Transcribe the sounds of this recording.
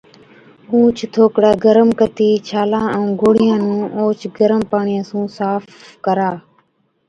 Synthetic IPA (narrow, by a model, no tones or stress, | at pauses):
ũːt͡ʃʰt̪ʰoːkɽaːɡəɾəmkət̪iːt͡ʃʰaːlãːũːɡoːɽ̤ɪjãːnũːʔoːt͡ʃɡəɾəmpaːɳɪjãːsũːsaːf | kəɾaː